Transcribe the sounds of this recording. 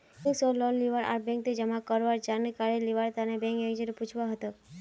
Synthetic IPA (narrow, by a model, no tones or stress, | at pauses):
ĩsɔlɔnliʋəɾa̰ɾbɛ̃ŋk̚t̪id͡ʒemãkəɾʋaɾd͡ʒanekaɾeliʋaɾt̪anebɛ̃ŋkeɡd͡ʒəɾeput͡ʃʰʋaɦət̪o